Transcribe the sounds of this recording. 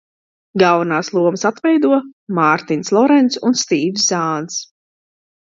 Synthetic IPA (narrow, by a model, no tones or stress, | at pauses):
ɡavanaːslˠuɔmsat̪vɛjd̪uɔmaɾt̪inslˠɔɾɛnt̪sunst̪iːvszaːns